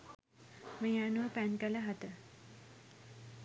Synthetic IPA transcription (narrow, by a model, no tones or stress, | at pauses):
meanuʋəpænkələɦat̪ə